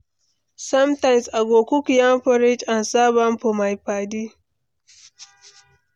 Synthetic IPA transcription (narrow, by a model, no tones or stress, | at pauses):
sɐmtajmsʔaɡʷoːkʷukjamɸɔɾɪt͡ʃʔansaːbamɸɔmajɸaːdi